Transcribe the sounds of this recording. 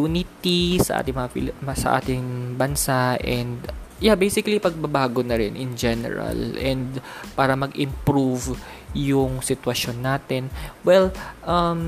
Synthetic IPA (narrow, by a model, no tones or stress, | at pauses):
uːnɪt̪isɐʔa̰ːt̪ɪŋmɐŋɐpɪsɐʔa̰ːt̪ɪŋbɐnsaʔɛnd̪jabejsɪkɐlipɐɡ̚bɐbaːɡonɐɾɪnʔɪnd͡ʒɛnɛ̰ɹɐ̰lʔɛnd̪paːɾɐmɐɡɪmpɾuvjʊŋsɪt̪wɐʃonːaːt̪ɛnwɛlʔɐm